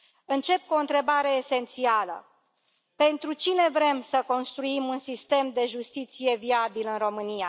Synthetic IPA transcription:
ɨnt͡ʃe̞p̚kuoɨnt̪ɾe̞baɾe̞ːse̞nt̪sialə̰ | pe̞nt̪ɾut͡ʃine̞vɾe̞msəko̞nst̪ɾuimunsist̪e̞md̪e̞ʒust̪it̪sije̞viabilɨnro̞mɨnija

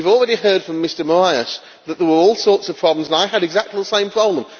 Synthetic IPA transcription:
ivɔlˠɹɛɾihɜ˞d̥fɹə̃mːɪstə˞məɹaɪəs | ðət̪ðəwə˞ɔlˠsɔˑɹtsəv̥pʰɹ̥ɑblə̃mzə̃naɪəɾɨɡzak̚tʰˡliðəsẽɪ̃mpʰɹ̥ɑblə̃m

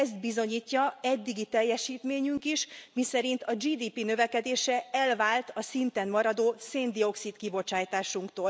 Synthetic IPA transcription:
ɛst̪̚bizo̞ɲiːcːɒɛd̪ːiɡit̪ɛjːɛʃiːt̪meːɲyŋkiʃmisɛɾint̪ɒd͡ʒiːd̪iːpinø̞vɛkɛd̪eːʃɛɛlvaːlt̪ɒsint̪ɛnmɒɾɒd̪oːseːnd̪io̞ksit̪kibo̞t͡ʃaːjt̪aːʃuŋkt̪oːl

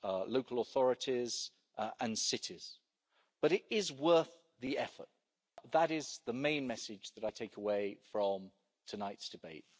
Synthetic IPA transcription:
loʊkəlˠəθɔɹɨtʰiz | ʔə̃nsɪtʰɪz̥ | b̥ʌɾɪɾɪzwɜˑ˞θ | ðiɛfə̰t̚ | ðəɾɪzðəmẽɪ̃nmɛsɪd͡ʒðəɾaɪtʰeɪkʰəweɪfɹə̃m | tʰənaɪtsd̥ɨbeɪt̚

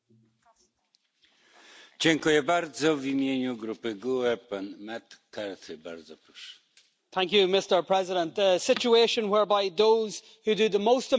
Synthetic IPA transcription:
d͡ʑɛŋkujɛbaɾd̪zɔvimʲjeɲuɡɾupɘɡuɛpanmat̪kaɾt̪ʰɨba̰ɾd̪zɔpɾɔʂɛ̥ | θæ̃ŋk̬jʉmɪstə˞pʰɹ̥ɛzɪɾə̃nðəsɪt͡ʃueɪʃə̃nwɛɹbaɪðoʊz̥ | hudəðəmoʊstə

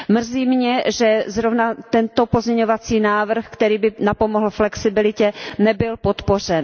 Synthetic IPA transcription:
mr̩ziːmɲɛʒɛzɾovnat̪ɛnt̪o̞po̞zɲɛɲovat͡siːnaːvr̩xkt̪ɛɾiːbɪnapomoɦl̩flɛksɪbɪlɪcɛnɛbɪlpo̞t̪po̞r̝ɛn

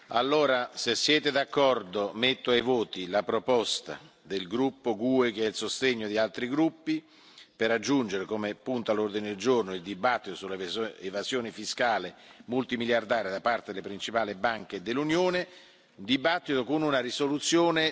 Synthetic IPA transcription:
a̰lːoːɾasesːjɛːt̪ed̪akːɔrd̪omet̪ːoajvoːt̪ilapɾopɔst̪a̰ | d̪elɡɾupːoɡuːek̟eɛilsost̪eɲːod̪ialt̪ɾiɡɾupːi | peɾad͡ʒːund͡ʒeɾekomepunt̪alord̪ined̪eld͡ʒornoild̪ibat̪ːit̪osulːeevazjoːnɪfiskaːlemult̪imiljard̪aːɾed̪apart̪ed̪elepɾint͡ʃipaːlibaŋked̪elːunjoːne | d̪ibat̪ːit̪okonunarisolut̪sːjoːne

